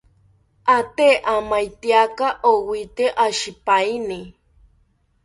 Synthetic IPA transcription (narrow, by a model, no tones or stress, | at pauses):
at̪eʔamajt̪iakaʔowit̪eʔaʃipaini